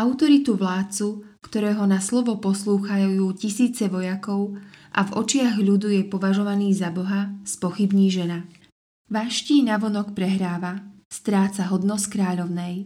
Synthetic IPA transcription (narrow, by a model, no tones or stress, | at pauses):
ʔaʊt̪ɔɾit̪uʋlaːt̪̚t͡su | kt̪ɔɾɛːɦɔnaslɔʋɔpɔsluːxajjuːcisiːt͡sɛʋɔjakɔʊʔavɔ̰t͡ʃɪaɣʎud̪ujɛpɔʋaʒɔʋaniːzabɔɦaspɔxibɲiːʒɛna | ʋaʃciːnaʋɔnɔkpɾɛɦɾaːʋa | st̪ɾaːt͡saɦɔd̪nɔskɾaːʎɔʊnɛj